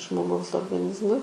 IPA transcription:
ʒmoːˈɡɐʊs oːrɡɐˈnʲɪzmʊɪ

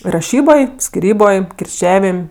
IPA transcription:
rɐˈʃʲiːboːj sʲkʲɪˈrʲiːboːj kʲɪrʲˈt͡ʃʲæːʋʲɪmʲ

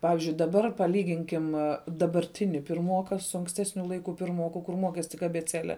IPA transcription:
ˈpɑːʋʲɪzʲd͡ʒʲʊɪ dɐˈbɐr pɐˈlʲiːɡʲɪŋʲkʲɪm dɐbɐrʲˈtʲɪnʲɪ pʲɪrˈmoːkɐ sʊ ɐŋksʲˈtʲæːsʲnʲʊ ˈlˠɐɪkʊ pʲɪrˈmoːkʊ kʊr ˈmoːkʲɛs tʲɪk ɐbʲɛˈt͡sʲæːlʲɛ

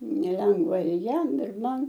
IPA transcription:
nʲɛˈlʲɛŋɡʋɐ ɪr ˈjɛm ɪr ˈmɐn

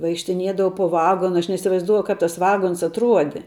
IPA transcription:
ʋɐɪkʃʲtʲɪˈnʲiɛdɐʋɐʊ poː ˈʋɑːɡoːnɐ ɐʃ nʲɛɪsʲɪʋɐɪzˈduɔjʊ ˈkɐp tɐs ˈʋɑːɡoːns ɐtˈruɔdʲɪ

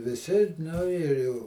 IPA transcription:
ʋʲɪˈsʲɪ nʊ ɪr jɛʊ

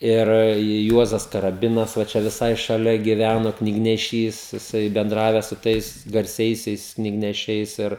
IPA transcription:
ˈɪr ˈjuɔzɐs kɐrɐˈbʲɪnɐs ʋɐ ˈt͡ʃʲɛ ʋʲɪˈsɐɪ ʃɐˈlʲɛ ɡʲɪˈʋʲænoː knʲɪɡnʲɛˈʃʲiːs jɪˈsɐɪ bʲɛnˈdrɑːʋʲɛs sʊ ˈtɐɪs ɡɐrʲˈsʲɛɪsʲɛɪs knʲɪɡnʲɛˈʃʲɛɪs ˈɪr

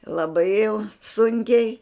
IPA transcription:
lˠɐˈbɐɪ jɛʊ ˈsʊŋʲkʲɛɪ

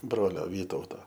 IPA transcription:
ˈbroːlʲoː ˈʋʲiːtɐʊtoː

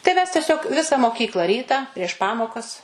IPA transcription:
tɐɪ ˈmʲɛs tʲɛˈsʲoːk ˈʋʲɪsɐ moːˈkʲiːklˠɐ ˈrʲiːtɐ pʲrʲiɛʃ ˈpɑːmoːkɐs

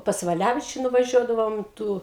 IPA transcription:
pɐs ʋɐˈlʲæʋʲɪt͡ʃʲʊ nʊʋɐˈʒʲuɔdɐʋoːm ˈtuː

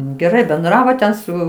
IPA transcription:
ɡʲɛˈrɐɪ bʲɛnˈdrɑːʋoː tʲɛn ˈsʊ

